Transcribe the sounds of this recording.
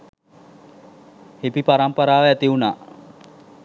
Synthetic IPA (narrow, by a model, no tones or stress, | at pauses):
hepipaɾampəɾaːʋəæt̪iunaː